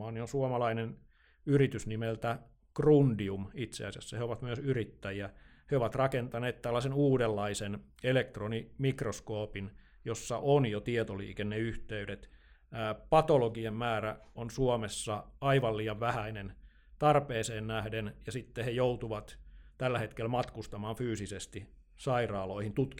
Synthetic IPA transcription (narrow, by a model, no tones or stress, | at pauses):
ɑːniosuomɑlɑinen | yrit̪ysnimelt̪æ | krundiumit̪sḛɑsiɑsːɑheoʋɑt̪myøsyrit̪ːæjiæ | heoʋɑt̪rɑkent̪ɑneːt̪t̪ælːæsenuːdelːɑisen | elek̚t̪ronimikroskoːpin | josːɑʔonjot̪iet̪olḭːkenneyht̪eydet̪ː | pɑt̪oloɡiemmæːræonsuomesːɑɑiʋɑlliːjɑʋʋæhæinen | t̪ɑrpeːseːnnæhdenjɑsit̪ːehejout̪uʋɑt̪t̪ælːæhet̪kelmɑt̪kust̪ɑmɑːnfyːsisest̪i | sɑirɑːloihint̪ut̪ki